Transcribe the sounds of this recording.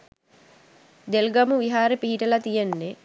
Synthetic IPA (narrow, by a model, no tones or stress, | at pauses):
d̪elɡɐmuʋiɦaːɾepiɦiʈəlat̪ijenːe